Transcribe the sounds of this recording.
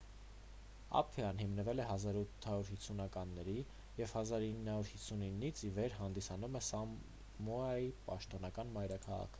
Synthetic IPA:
ɑ̰pʰfiɑnɦimnəvɛlɛɦɑzɑɾut̪ʰːɑɾuɾɦit͡sʰːunɑkɑnːɛɾi | jɛvhɑzɑɾinːhɑɾuɾhisʰuninːit͡sʰivɛɾɦɑnd̪isɑnumɛsɑ | mɔɑipɑʃt̪ɔnɑkɑnmɑjɾɑkʰɑʁɑ̰kʰə̥

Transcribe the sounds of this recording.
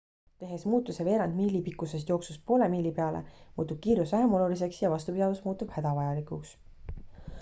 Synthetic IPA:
t̪e̞ɦe̞smuːt̪ːˑuseve̞ːɾɑnd̪̥miːlipikːˑusest̪jo̞ːksuspo̞ːle̞miːlipe̞ɑlḛmuːt̪ːub̥̚kiːɾusæɾmo̞lulis̬e̞ksjɑvɑst̪upid̪ɑvusmuːt̪ːˑub̥hæd̪̥ɑvɑjɑlikuks

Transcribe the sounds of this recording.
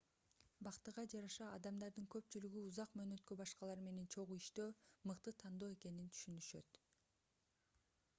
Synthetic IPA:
bɑqt̪ɯʁɑd͡ʒɑɾɑʃɑɑd̪ɑmd̪ɑɾd̪ɯŋkø̞pt͡ʃylyɡyuzɑqmøːnø̞t̪kø̞bɑʃqɑlˠɑɾme̞ne̞nt͡ʃʰo̞ʁuiʃt̪øːmɯqt̪ɯt̪ʰɑnd̪o̞ːe̞ke̞nint̪ʰy̥ʃynyʃø̞̰t̪

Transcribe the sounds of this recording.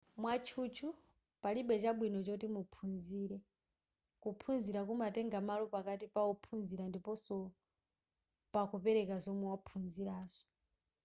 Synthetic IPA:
mwat͡ʃʰut͡ʃʰu | paliɓɛt͡ʃaɓwinɔt͡ʃɔtimupʰunziːɾɛ | kupʰunziɾakumatɛŋɡamalɔpakatipaɔpʰunziɾandipɔsɔ | pakupɛɾɛkazɔmwɛwapʰunziɾaːz̥ɔ̥

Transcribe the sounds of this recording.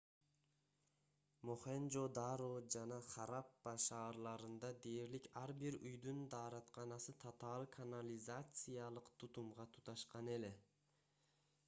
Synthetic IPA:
moχend͡ʒod̪aɾod͡ʒɑnɑχɑɾapːɑʃɑːɾlˠɑɾɯnd̪ɑd̪e̞jeɾlikʲʰaɾbiɾyjd̪ynd̪ɑːɾɑt̪qʰɑnɑsɨt̪ʰot̪ʰɑlˠkʰanalʲizat̪sɨjɑlˠɯqt̪ʰut̪umʁɑt̪ʰu̥t̪ɑʃqɑne̞le

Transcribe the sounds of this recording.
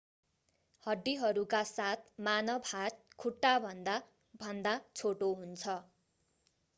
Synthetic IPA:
hʌɖːiɦʌɾukasat̪̚ʰmanʌbhat̪̚kʰuʈːabʱʌnd̪a | bʱʌnd̪at͡sʰoʈoɦunt͡sʰʌ

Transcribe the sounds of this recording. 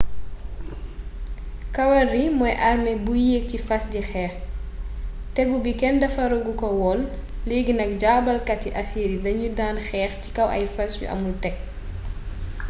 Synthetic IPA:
kɐwɐrimɔjʔɐrmɛbujeːk̚cifɐsdixɛːx | tɛɡubikɛndɐfɐɾɔɡukɔwɔlː | eːɡinɐk̚ɟabɐlkɐtiʔɐsiːɾidɐɲudaːnxɛːxci̥kɐwʔɐ̰jfɐsjṵʔɐ̰multɛk̚

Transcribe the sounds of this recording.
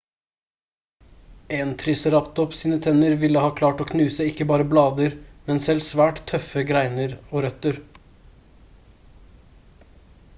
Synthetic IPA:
eːnt̪ʰɾɪsəɾɑpt̪̚ɔpsiːnət̪ʰɛnəɾʋɪləhɑːkʰlɑːʈoːkʰnʉːsəɪkːəbɑːɾəblɑːd̪əɾmɛnsɛlsʋæːʈt̪ʰœfəɡɾæɪnəɾoːɾœt̪əɾ

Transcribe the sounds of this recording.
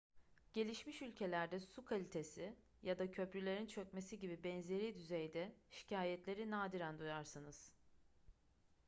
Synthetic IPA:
ɟ̥e̞lʲiʃmiʃylʲcʰe̞lʲæɾd̪ɛsukʰalʲit̪ʰe̞sɪ | jad̪acʰø̞plʲylʲe̞ɾint͡ʃʰø̞c̚me̞siɟibibɛnze̞ɾiːd̪yzejd̪ɛʃi̥cʰaːjɛt̪lʲe̞ɾinaːd̪iɾænd̪ujaɾsɯnɯz̥

